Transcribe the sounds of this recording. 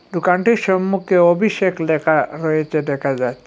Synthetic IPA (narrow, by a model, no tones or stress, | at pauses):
d̪ukaɳʈiɾʃɔmːukʰeobʱiʃeklɛkʰaɾɔet͡ɕʰeɖɛkʰad͡ʑat̪ːʰ